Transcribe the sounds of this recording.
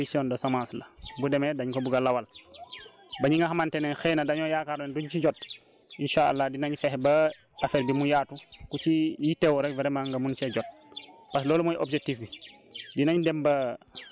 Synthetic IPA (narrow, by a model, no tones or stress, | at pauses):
isiɔndɐsamãːnslɐbudɛmɛdaɲkɔbuɡalawal | baɲiŋɡaxamantɛnɛnxɛːnɐdaɲɔjaːkaɾnɛnduɲt͡ʃiɟɔt̚ | ʔinʃaa̰lːadinaɲifɛhbɐ | afɛːɾbimujaːtukut͡ʃijitɛwɔɾɛkvɛɾɛmaŋɡɐmunt͡ʃɛɟɔt̚ | pas̬lɔːlumɔjʔobd͡ʒek̚tifbi | dinaɲdɛmbɐ